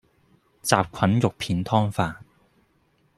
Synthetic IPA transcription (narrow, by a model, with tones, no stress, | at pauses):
t͡saː˨p̚kʷʰɐ˨˥njʊ˨k̚pʰiː˨˥nt̪ʰɔː˥ŋfaː˧n